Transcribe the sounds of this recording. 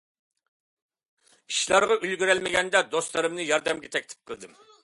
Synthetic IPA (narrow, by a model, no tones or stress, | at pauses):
iʃlˠɑɾʁɑylɡʲyɾɛlmɪɡʲɛnd̪ɛd̪ost̪lˠɨɾɨmnɨjɑɾd̪ɛmɡʲɛt̪ʰɛkʲt̪ʰɪ̥p̚qʰəlˠd̪ɨm